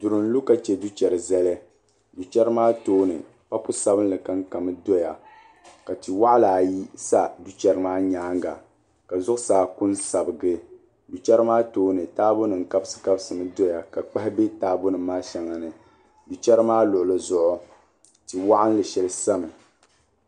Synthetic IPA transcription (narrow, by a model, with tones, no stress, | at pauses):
du˨ɾɨ˨n̩˦lu˦ka˨t͡ʃɛ˨du˦t͡ʃɛ˨ɾɨ˨zɛ˦lɛ˦ | du˨t͡ʃɛ˦ɾɨ˦maː˦toː˦nɨ̰˨ | pa˦pu˦sa˦bɨ˦n˦lɨ˨ka˦ŋka˨mɨ˦do˦ja˨ | ka˨ti˨wa˦ʔlaː˨ji˦sa˦du˦t͡ʃɛ˨ɾɨ˦maː˦ɲaː˦ŋ˦ɡa̰˨ | ka˨zʊ˦ʔʊ˦saː˨ku˦nsa˨bɨ˨ɡɨ˦ | du˨t͡ʃɛ˦ɾɨ˦maː˦toː˦nɨ˨taː˦bo˦nɨ˨ŋ˨ka˦bsɨ̥˨ka˦bsɨ˨nɨ˦do˦ja˨ka˨k͡pa˦hɪ˦be˦taː˨˦bo˦nɨ˨˦maː˦ʃa˨ŋa˨nɨ˨ | du˨t͡ʃɛ˦ɾɨ˦maː˦lʊ˨ʔʊ˨lɨ˦zʊ˦ʔʊ˦ | ti˨wa˦ʔa˦n˦lɨ˨ʃɛ˨lɨ˦sa˦mɨ˨